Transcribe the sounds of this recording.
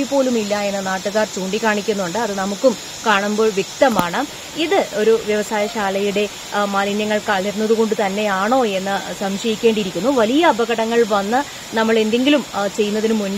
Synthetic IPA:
ipːo̞ːlumilːɐe̞nːɨnaːʈːɨɣaːrt͡ɕuːɳɖikːaːɳikʲːunːuɳɖɨɐðɨnɐmukːum | kaːɳumbo̞ːɭʋjek̚t̪ɐmaːɳɨ | iðɨo̞ɾuʋjɐʋɐsaːjɐɕaːlɐjuɽe̞ | maːlinjɐŋːɐɭkaːlɐɾunːɐðuɣo̞ɳɖɨt̪ɐnːe̞aːɳo̞ːe̞nːɨsɐmɕɐjikʲːe̞ːɳɖiɾikʲːunːuʋɐlijɐːbʱɐɣɐɽɐŋːɐɭʋɐnːɨ | nɐmːɐɭe̞nd̪e̞ŋɡilumt͡ɕe̞jːunːɐðinumun

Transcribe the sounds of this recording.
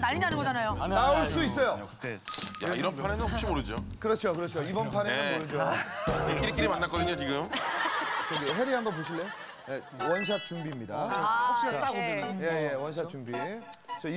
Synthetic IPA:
naʎːinanɯnɡʌd͡ʑanajonaoɭs͈uis͈ʌjo | ja̰iɾʌnpʰanenɯnhopɕ͈imoɾɯd͡ʑo̰kɯɾʌt͡ɕʰokɯɾʌt͡ɕʰioibʌnpʰaneɯnmɾɯd͡ʑo | k͈iɾik͈iɾimanːak͈ʌdɯɲot͡ɕiɡɯm | t͡ɕʌɡiɦe̞ɾiɦambʌnpoɕʰiɭːejo | je | wʌnɕ̬ʰap̚t͡ɕ͈uŋbimɲida | aoje̞jewʌnɕ̬ʰap̚t͡ɕ͈uŋbi | t͡ɕʌi

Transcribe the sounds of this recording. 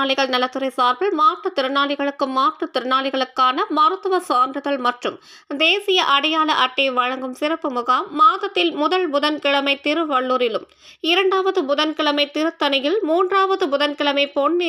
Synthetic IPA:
ɭɪɣɐɭnɐlɐt̪ːɯɾɐɪsaːɾbɯɭmaːʈrɯt̪ɪɾɯnaːɭɪɣɐɭɯkːɯmaːʈrɯt̪ɪɾɯnaːɭɪɣɐɭɯkːaːnɐmɐɾɯt̪ːɐʋɐsoːndrɯɣɐɭmɐʈrɯm | d̪eːsɪjɐʔɐɽɐjaːɭɐʔɐʈːeʋɐɻɐŋɡɯmsɪrɐpːɯmʊɣaːmːaːðɐt̪ːɪlmʊðɐlbʊðɐnkɪɭɐmɐɪt̪ːɪɾɯʋɐɭːuːɾɪlɯm | ɪɾɐɳɖaːʋɐðɯbʊðɐnkɪɭɐmɐɪt̪ɪɾɯt̪ːɐnɪjɪlmuːndraːʋɐðɯbʊðɐnkɪɭɐmɐɪpɔnːɪ

